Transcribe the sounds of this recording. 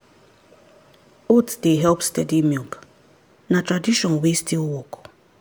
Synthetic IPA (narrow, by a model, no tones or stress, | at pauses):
otsdeɦɛlpstɛdimilk | natɹadiʃɔ̃nwestʰilwɔk